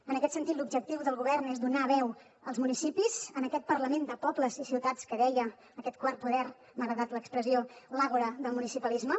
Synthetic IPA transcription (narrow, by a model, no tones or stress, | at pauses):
ənəkɛt̪sənt̪it̪lubd͡ʒək̚t̪iwðəlˠɣuβɛrnezd̪unaβɛw | əlˠzmunisipizənəkɛt̪̚pərləmend̪əpɔbləzisiwt̪att͡skəðɛjəː | kɛt̪̚kwar̚puðɛr | maɣɾəðat̪ləkspɾəziolaɣuɾəðəlˠmunisipəlizmə